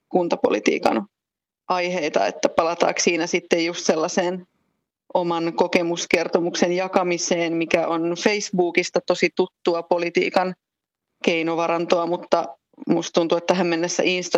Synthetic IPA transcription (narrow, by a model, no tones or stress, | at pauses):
kunt̪ɑpo̰lit̪ḭːkɑ̰n | ʔɑiheit̪ɑ̰ḛt̪ːæpɑlɑt̪ɑ̰ːksiːnæsit̪ːejjust̪selːɑseːn | ʔomɑnkokemuskert̪omuksenjɑkɑmiseːnmikæʔonfeisbuːkist̪ɑt̪osit̪ut̪ːuɑpolit̪ḭːkɑn | keinoʋɑɾɑnt̪oɑmut̪ːɑ | must̪t̪unt̪uet̪ːæhæmmenːæsːæ̰ʔinst̪ɑ